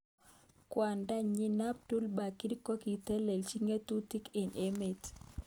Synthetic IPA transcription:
kwa˨nda˦ɲi˦na˦p̚tu˦lba˨ki˦ɾko˦ki˨t̪ɛ˦le˨lt͡ʃi˦ŋe˦t̪u˦t̪i˦ke˨ne˦me˨t

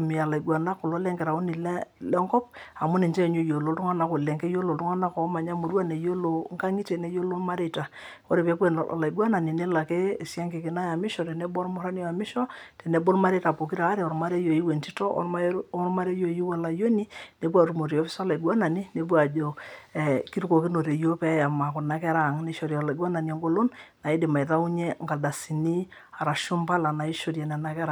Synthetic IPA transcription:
mi˨a˨la˨i˨ɡwa˨na˦ko˨lo˦lɛ˦ŋɡɛ˨ɾa˨o˦ni˨llɛ˦ŋkɔ˦p̚a˨mu˦ne˨nt͡ʃe˦˨ɲo˦jo˨lo˨ltu˦ŋa˦na˨ko˨lɛ˨ŋkɛ˦jo˦lo˨tu˦ŋa˦na˦kɔ˨˦ma˨ɲa˦mo˨ɾwa˦ne˨jo˦lo˨ŋka˦ŋi˦te˨ne˦jo˦lo˦ma˦ɾe˦˨ta˨ | o˦ɾe˨pɛ˦p̬wḛ˨la˨i˨ɡwa˦na˨ni˨ne˦la˨ke˦˨si˦a˦ŋke˨ki˨na˦ja˨mi˦ʃɔ˨te˨ne˦bɔ˦ɾmo˦ɾa˦ni˦˨a˨mi˦ʃɔ˦tɛ˨ne˨bo˦lma˦ɾe˦ta˨po˨ki˦ɾa˨˦ɾe˨ɔ˨ɾma˦ɾe˦jo˨ji˦we˨nti˦tɔ̰˦ɔ˦ɾma˦ɾe˦jo˨ji˦wa˨la˨jo˦ni˦ne˨˦p̬wa˨ɾu˦mo˨ɾi˨o˦fi˦sa˦la˨i˨ɡwa˦na˨ni˦ne˨p̬wa˨d͡ʒo˨ | ki˦ɾu˦ko˨ki˦no˨ɾe˨jo˦pɛ˦ja˨ma˨kɔ˨na˦kɛ˦ɾa˨ŋne˦ʃo˨ɾɔ˨la˨ɡwa˦na˨ni˨ɛ˨ŋɡo˦lo˦nna˨i˦de˨ma˨i˨ta˦u˦ɲe˦ŋɡa˨da˨si˨ni˦ | a˨ɾa˨ʃu˦mpa˦la˨na˨i˦ʃo˨ɾja˨nɛ˨na˨kɛ˦ɾa˨

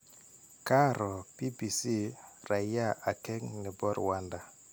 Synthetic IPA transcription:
ka˦ɾɔ˨pi˦bi˨si˦ɾa˨ja˦˨a˨kɛ˦ŋnɛ˨bɔ˦ɾwa˦nda˨

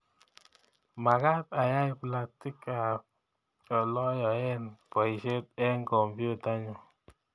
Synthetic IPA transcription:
ma˨ka˦ta˨ja˦i˦pla˨sti˦ka˨ | ɔ˨lɔ˦jɔ˨ɛ˦npɔ˨i˨ʃe˦t̚ɛ˦ŋkɔ˨mbju˦ta˦ɲɔ˦˨

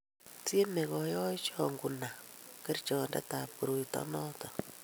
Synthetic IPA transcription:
tje˦me˨kɔ˨jɔ˦i˦t͡ʃɔ˦ŋɡu˨na˨ke˦rt͡ʃɔ˨nda̰˦ta˨pu˨ɾu˨itɔ̰˦nɔ˦tɔ˨

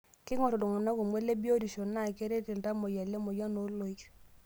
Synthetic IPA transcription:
kɪ˦ŋɔ˦˨tɔ˨dɔ˨ŋɔ˨na˦kɔ˨me˦le˦bi˦o˦di˨ʃɔ˨na˦˨ke˦ɾe˦ti˨lta˦mɔ˨ja˨lɛ˦mɔ˨ja˦no˨˦lo˨i˦t͡ʃ

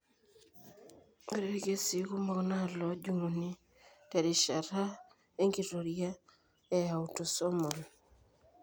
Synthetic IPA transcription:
e˦ɾe˦ɡe˦si˨ku˦mɔ˨kna˦˨lɔ˨˦d͡ʒu˦˨ŋo˨ni˦ | tɛ˨ɾi˨ʃa˨ɾa˦ | e˦ŋɡi˨ɾo˨ɾia˦ | e˦ja˨u˨to˨sɔ˦mɔ˨n

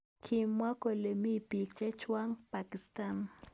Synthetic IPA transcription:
kʰi˨mwa˦ko˨le˨mi˦˨pi˨k̚t͡ʃɛ˦t͡ʃwa˦ŋpa˨ki˨sta˦˨n

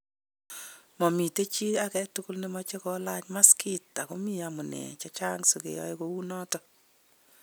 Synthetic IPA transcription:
mɔ˨mi˨te˦t͡ʃi˦a˨kɛ˦tʊ˦kʊ˦lne˦mɔ˦t͡ʃe˦kɔ˦la˦t͡ʃma˦ski˦ta˨ko˦mi˦a˨mʊ˨nḛ˨t͡ʃa˦t͡ʃa˦ŋso˨kḛ˨jɔ̰˦je˦kou˦nɔ˦tɔ

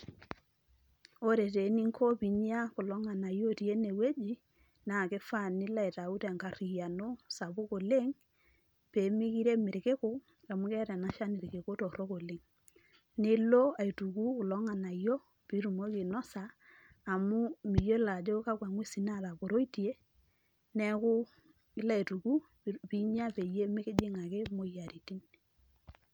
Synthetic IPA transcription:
o˦ɾe˨te˨˦ni˦ŋkʰɔ˦pi˨ɲi˦a˦ko˨lɔ˦ŋa˨na˨jo˦ti˨e˦ne˨we˦d͡ʒi˦ | na˨ke˦fa˦˨nɪ˦la˦i˨ta˨u˦tɛ˨ŋka˨ri˨ja˨no˦sa˨bo˦ko˨le˦ŋ | pe˨mi˦ki˦ɾe˦mɪ˨ɾke˦ko˦ | a˨mu˦kɛ˦ɾɛ˨na˦ʃa˦nɪ˨ɾke˨ko˦tɔ˨ɾo˦ko˨le˦ŋ | nɪ˦lo˦a˨i˨tu˨ku˦kʊ˨lɔ˨˦ŋa˨na˨jo˦ | pi˦ɾu˨mo˦kɪ˨nɔ˦saː˨ | mʊ˦mɪ˨jo˦la˨d͡ʒo˦ka˦kwa˨ŋwe˦si˨na˦ða˨bo˨ɾo˦i˦ti˨e˦ | nɛ˦kʊ˦ | ɪ˦la˦˨i˨tu˨ku˦ | pi˦ɲa˦pe˨je˦mɪ˦kɪ˦d͡ʒɪ˦ŋa˨ke˦mo˦ja˨ɾi˨ti˦n

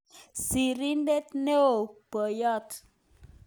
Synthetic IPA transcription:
si˨ɾi˦n˦de˦t̪ne˦o˨b̥ə˨jɔ˦˨t

